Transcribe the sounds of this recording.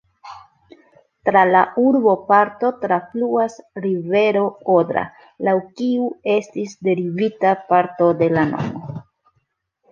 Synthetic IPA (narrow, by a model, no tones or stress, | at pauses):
tɾalaʔuɾbo̞paɾto̞tɾafluasɾive̞ɾo̞odɾa̰ | lawkiue̞stisde̞ɾivitapaɾto̞de̞lano̞̰mo̞